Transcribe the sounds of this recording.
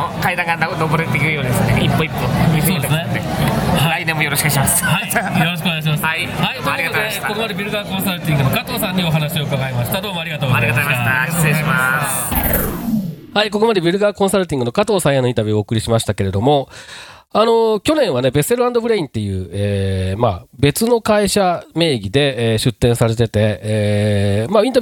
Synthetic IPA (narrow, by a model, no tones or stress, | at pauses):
kaid̪ãŋɡanoboɾet̪ːekiɾɯjoːd̪esɨneipːoipːomisoːd̪esned̪ehaɾainẽmːojo̞ɾoɕikɯɕimashaijo̞ɾo̞ɕ̬koneaɕ̬imasɨaihait̪oɾiɡtːod̪eakokomad̪e̞bʲiɾɯ̟ɡakõ̞saɾɯ̟t̪ʲĩŋɡɯ̟no̞kat̪o̞ːsãɲ̟ːio̞ɦanaɕio̞ɯkaɡaimaɕi̥t̪ad̪o̞ːmo̞aɾʲiɡat̪oːɡaɾiaaaaimas | haiko̞ko̞mad̪e̞bʲiɾɯ̟ɡakõ̞ɰ̃saɾɯ̟t̪ʲĩŋɡɯ̟no̞kat̪o̞ːsãjanoĩnt̪abʲjɯoːkɯ̟ɾʲiɕimaɕi̥t̪ake̞ɾe̞d̪o̞mo̞ | ano̞kʲo̞nẽ̞ɰ̃βane̞be̞se̞ɾɯ̟ãnd̪o̞bɯ̟ɾe̞ĩnt̪ːe̞jɯ̟ːeːmabe̞t͡sɨno̞kaiɕame̞ːɡʲid̪e̞ːɕɨt̪ːẽ̞ɰ̃saɾe̞t̪e̞t̪e̞ | maĩt̪a